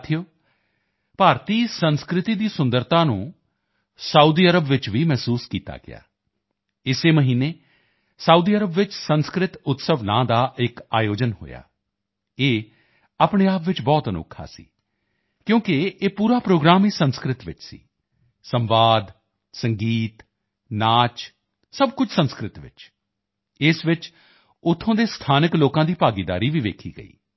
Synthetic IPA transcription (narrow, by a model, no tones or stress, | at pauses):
t̪ʰɪjoː | paːɾt̪iːsənskɾɪt̪iːd̪iːsʊnd̪əɾt̪ãːnṵ̃ː | səuːd̪iːəɾəbʋɪt͡ʃʋiːmɛːsuːskiːt̪a̰ːɡɪ̰ja̰ː | ɪseːməɦiːneː | sauːd̪iːəɾəbʋɪt͡ʃsənskɾɪt̪ʊt̪səʋnã̰ːd̪aːʔɪka̰ːjoːd͡ʒənho̰ːja̰ː | eː | aːpɳeːaːpʋɪt͡ʃbɔːt̪əno̰kʰːa̰ːsḭː | kjõːkɪeːpuːɾaːpɾoːɡɾaːmiːsənskɾɪt̪ʋɪt͡ʃsḭː | səmʋaːd̪ | səŋɡiːt̪ | naːt͡ʃ | səbkʊt͡ʃsənskɾɪt̪ʋɪ̰t͡ʃ | ɪsʋɪt͡ʃ | ʊt̪ʰːõːd̪eːst̪ʰaːnəkloːkãːd̪iːpaːɡid̪a̰ːɾiːʋiːʋḛːkʰḭːɡə̰ḭː